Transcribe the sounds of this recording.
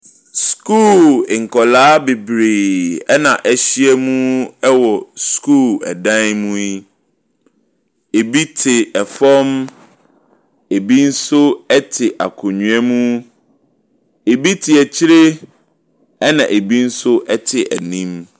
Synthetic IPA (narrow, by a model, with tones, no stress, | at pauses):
skuː˦˨lɪ˨ŋ̩˨kʰɔ˨laː˦be˨bɾeː˨ɛ˦nã˨ʔæ˨ɕi˦ɛ˦mũ˦ɛ˦wɔ˨skʰu˦˨lɛ̰˨dã˦nmũ˦i˦ | e˨bi˦tʰɪ˨ɛ˨fɔ˦m | e˨bi˦n̩˦sʊ˦ɛ˦tʰɪ˨ʔa̰˨kʰʊ˨ɲũ˨ɛ˦mũ˦ | e˨bi˦tʰɪ˨ɛ˨t͡ɕʰɪ˦ɾe˦ | ɛ˦nã̰˨ʔe˨bi˦n̩˦sʊ˦ʔɛ˦tʰɪ˨ʔæ̰˨nĩ˦m